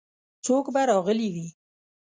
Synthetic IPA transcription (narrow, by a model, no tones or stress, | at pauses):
t͡sokbaɾɑɣəliwi